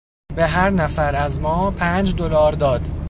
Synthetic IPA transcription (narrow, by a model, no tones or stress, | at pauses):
beɦæɾnæfæɾæzmɒːpʰæːnd͡ʒd̪olɒːɾd̪ɒːd̪̥